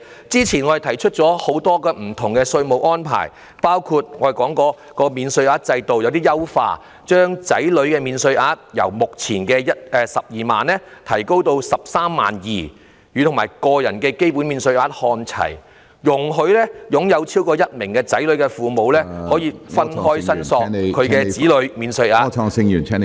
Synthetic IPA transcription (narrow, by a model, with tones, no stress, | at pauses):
t͡siː˥t͡sʰiː˨˩nŋɔː˨˧e˨˩t̪ʰɐ˨˩jt͡ʃʰɵ˥t̚t͡sɔː˨˥ho˨˥wt̪ɔː˥kɛː˧m̩˨˩t̪ʰʊ˨˩ŋkɛ˧sɵ˧ɥmo˨wʔɔː˥npʰa̰ː˨˩j | paː˥wkʰuː˧t̚ŋɔː˨˧˨kɔː˨˥ŋkɔː˧ | kɔː˧miː˨˧nsɵ˧ɥaː˧˥t̚t͡sɐ˧jt̪o˨wjɐ˨˧wt̪iː˥jɐ˥wfa̰ː˧ | t͡ʃœː˥ŋt͡sɐ̰˨˥jlɵ˨˥ɥkɛː˧miː˨˧nsɵ˧ɥʔaː˧˥t̚jɐ̰˨˩wmʊ˨k̚t͡sʰiː˨˩nkɛː˧jɐ˥t̚ɛː˨sɐ˨p̚jiː˨ma̰ː˨nlɛː˥t̪ʰɐ˨˩jko˥wt̪o˧wsɐ˨p̚saː˥mːa̰ː˨njiː˨˩ | jyː˨˧ʊ˨˩ŋmaː˨˩jkɔː˧jɐ˨˩nkɛː˧ke˥jpuː˨˥nmiː˨˧nsɵ˧ɥaː˧t̚hɔː˧nt͡sʰɐ̰˨˩j | jʊ˨˩ŋɦɵ˧ɥlɛː˥jʊ˨˥ŋjɐ˨˧wt͡sʰiː˥wkɔː˧jɐ˥t̚mɪ˨˩ŋkɛː˧t͡sɐ˨˥jlɵ˨˥ɥkɛ˧fuː˨mo˨˧wlɛː˥hɔː˨˥jiː˧fɐ˥nhɔː˥jsɐ˥nsɔː˧kʰɵ˨˧ɥkɛː˧t͡siː˨˥lɵ˨˧ɥmiː˨˧nsɵ˧ɥaː˧sɪ˧ŋyː˨˩nʰ˥